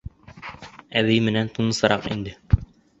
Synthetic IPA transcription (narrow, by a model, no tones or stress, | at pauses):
æβijmɘ̆nænt̪unɤ̆sɑɾɑqḭnd̪ɘ